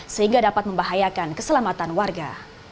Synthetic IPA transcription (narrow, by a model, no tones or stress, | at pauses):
səhiŋɡadapat̪̚məmbaɦajakankəsəlamat̪anwarɡa̰